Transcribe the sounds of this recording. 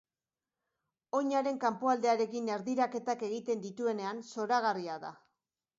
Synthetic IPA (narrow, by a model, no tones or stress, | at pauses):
o̞ɲaɾe̞ŋkampoald̪e̞aɾe̞kineɾðiɾake̞t̪ake̞ɣ̞it̪e̞nd̪it̪ue̞ne̞anso̞ɾaɣ̞ariaða̰